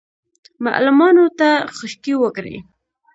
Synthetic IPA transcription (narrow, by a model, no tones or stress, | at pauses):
ma̰ʔlʊmɑnot̪axəʃkiwəkɾḛj